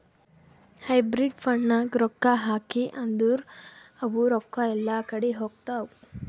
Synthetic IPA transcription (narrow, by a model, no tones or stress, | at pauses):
hɐjbɾiɖpʰɐɳːɐɡɾɔkːaɦaːkiʔɐnd̪uɾɐʋuɾɔkːaɛlːaːkɐɽeɦoːɡt̪aːu